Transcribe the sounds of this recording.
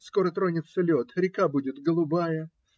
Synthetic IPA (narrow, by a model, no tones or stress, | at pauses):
sko̞ɾət̪ɾo̞nʲɪt̪səlʲo̞t̪ɾʲɪkabudʲɪt̪ɡəlˠʊbajə